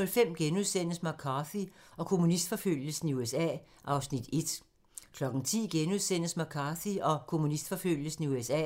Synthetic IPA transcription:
ɔlfem̰ɡ̥enuð̞ˠsen̰əsmɑ̈kʰɑθiɒ̽kʰo̝munisd̥fɒ̽føl̰jəsn̩iuesɛ̰ː | ʔɑ̈ʊsnid̥e̝d̥ | kʰlɒ̽ɡ̥n̩t͡sʰḭːɡ̥enuð̞ˠsen̰əsmɑ̈kʰɑ̈ːθiɒ̽kʰo̝munisd̥fɒ̽føl̰jəsn̩iuesɛ̰

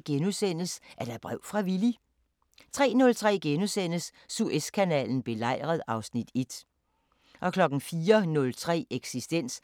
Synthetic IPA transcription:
ɡ̥enusen̰əsʔæɐd̥æb̥ʁɛʊ̰fʁɑ̈ʋili | t͡sʰʁɛ̰ːnɔ̽lt͡sʰʁɛ̰ːɡ̥enusen̰əsː | uʔeskʰænɛ̰ːln̩b̥e̝lɑ̈ɪ̰ʁɐð̞ˠɑ̈ʊsnid̥e̝d̥ | ʔɒ̽kʰlɒ̽ɡ̥n̩fiːɐnɔ̽lt͡sʰʁɛ̰ːeɡ̥sisd̥en̰s

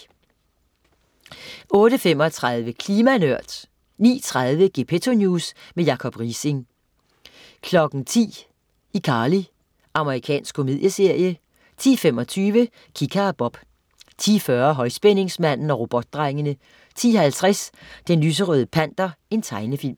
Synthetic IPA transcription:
ɔ̽ːɾəfem̰ɒ̽t͡sʰʁɑðˠʋəkʰliːmænøɐ̰d̥ | nḭːt͡sʰʁɑð̞ˠʋəɡ̥e̝pʰet͡sʰo̝njuːsmejɑ̈kʰɒ̽b̥ʁiseŋ | kʰlɒ̽ɡ̥n̩t͡sʰḭː | ikʰɑ̈ːli | ʔɑ̈məʁikʰɛ̰ːnsɡ̥kʰːo̝me̝̰ðˠjəse̝ɐ̰jə | t͡sʰḭːfem̰ɒ̽t͡sʰyːʋə | kʰikʰɑb̥ɒ̽b̥ | t͡sʰḭːfɶɐɦɒ̽ɪsb̥ene̝ŋsmæn̰n̩ɒ̽ʁo̝b̥ɒ̽d̥̚ːʁɑ̈ɪŋənə | t͡sʰḭːhælt͡sʰʁɛsd̥enlys̬əʁœð̞ˠəpʰæn̰d̥ɐe̝nt͡sʰɑ̈ɪnəfil̰m

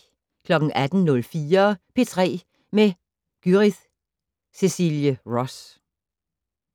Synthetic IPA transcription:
kʰlɒ̽ɡ̥n̩ʔæd̥n̩nɔ̽lfiːɐpʰe̝t͡sʰʁɛ̰ː | me | ɡ̥yʁið | se̝siljəʁɒs

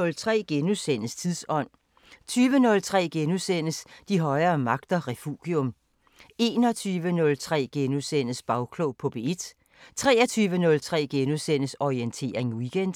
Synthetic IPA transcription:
ɔ̽lt͡sʰʁɛ̰ːɡ̥enusen̰əst͡sʰiðˠsɒ̽n̰ | t͡sʰyːʋənɔ̽lt͡sʰʁɛ̰ːɡ̥enusen̰əsd̥iɦɒ̽ɪɐːmɑ̈ɡ̥d̥ɐʁɛfuːɡ̥jɔ̽m | e̝ːnɒ̽t͡sʰyːʋənɔ̽lt͡sʰʁɛ̰ːɡ̥enusen̰əsb̥ɑ̈ʊkʰloʊpʰɒ̽b̥e̝ed̥ | t͡sʰʁɛːɐt͡sʰyːʋənɔ̽lt͡sʰʁɛ̰ːɡ̥enusen̰əsɒient͡sʰe̝̰ːɐʁeŋwiɡ̥end̥

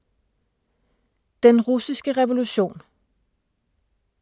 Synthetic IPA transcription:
d̥enʁusisɡ̥əʁɛʋo̝luɕo̝̰ːn

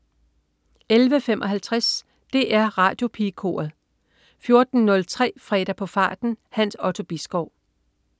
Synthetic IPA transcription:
elʋəfemʔɒ̽ɦælt͡sʰʁas | d̥e̝ʔæɐʁɑ̰̈ːd̥jo̝pʰikʰo̝̰ːɐð̩ˠ | fjo̝ɐd̥n̩nɔ̽lt͡sʰʁɛ̰ːfʁɛ̰ːɾ̥ɐpʰɒ̽fɑ̰̈ːd̥n̩hæn̰sɒ̽t͡sʰo̝b̥isɡ̥ɒʊ̰

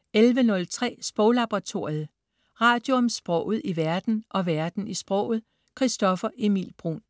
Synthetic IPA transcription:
elʋənɔ̽lt͡sʰʁɛ̰ːsb̥ʁɔʊlɑ̈b̥ʁɑ̈t͡sʰo̝ɐ̰ið̩ˠ | ʁɑ̈d̥jo̝ɒ̽msb̥ʁɔ̽ʊ̰ð̞̩ˠiʋæɐd̥n̩ʔɒ̽ʋæɐd̥n̩isb̥ʁɔʊ̰ð̩ˠ | kʰʁisd̥ɒ̽fɐʔe̝mḭlb̥ʁṵn

